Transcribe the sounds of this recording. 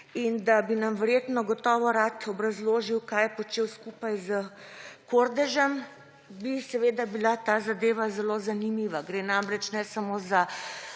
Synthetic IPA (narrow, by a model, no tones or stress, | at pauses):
ind̪abinamʋɛɾjeːt̪nɔɡɔt̪ɔːʋɔɾat̪ɔbɾazloːʒiwkajɛpɔt͡ʃeːwskupajzəkoɾd̪ɛʒɛm | bisɛʋeːd̪abilat̪aːzad̪eːʋazɛlozanimiʋaɡɾeːnamɾɛt͡ʃnɛsamoːza